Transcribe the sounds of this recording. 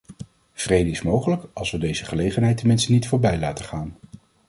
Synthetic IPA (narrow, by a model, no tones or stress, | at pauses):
v̥rejdəɪsmowχələkɑlˠsʋədejzəχəlejχənɦɛjtɛnmɪnstənitfʊːɹbɛjlaːtəχaːn